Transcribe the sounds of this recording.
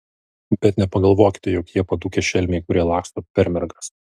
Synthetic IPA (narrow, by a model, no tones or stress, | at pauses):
bʲɛt̪nʲɛpɐɡɐlˠʋoːkʲɪ̥t̪ʲɛjoːkjiɛpɐd̪uːkʲɛʃʲɛlʲmʲɛɪkʊɾʲiɛlˠɑːkst̪oːpʲɛɾʲmʲɛɾɡɐs